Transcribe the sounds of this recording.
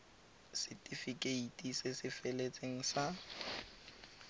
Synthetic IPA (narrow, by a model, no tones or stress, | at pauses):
sɪtʼifikʼeitʼisɪsɪfelet͡sʼeŋ̩sa